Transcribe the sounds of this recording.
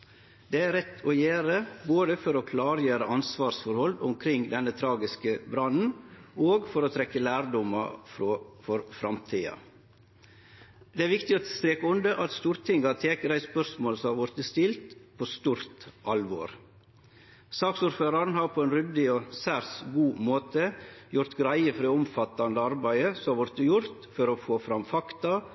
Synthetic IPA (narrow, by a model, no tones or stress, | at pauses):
d̪ɛːæɾɛt̪ʰːɔjeːɾəboːd̪əfɔɾokʰlɑːɾjøːɾəɑnsʋɑːɾsfɔɾhɔlːʊmkʰɾɪŋd̪ɛnːət̪ʰɾɑːɡɪskəbɾɑnn̩oːɡfɔɾɔt̪ʰɾɛkːəlæːɾd̪ɔmɑ̰fɾofɔɾfɾɑ̰mt̪ʰiːɑ̰ | d̪ɛæɾʋɪkt̪ɪɔst̪ɾeːkəʊnd̪əʔɑt̪st̪uːɾt̪ʰɪŋɡɑt̪ʰeːkəɾæɪspœɾsmoːlsɔmhɑʋɔɾt̪̚ːəst̪ɪlt̪pʰoːst̪uːɾt̪ʔɑlʋo̰ːɾ | sɑːksuːɾføːɾɑɾn̩hɑɾpʰɔɛnɾʏd̪ɪɔsæɾsɡuːmoːt̪əjʊɾt̪ɡɾæɪəfɔɾɔʊmfɑt̪ːɑnd̪əɑɾbæɪəsɔɑʋɔɾt̪ːəjʊɾt̪fɔɾɔfoːfɾɑmfɑkt̪ɑ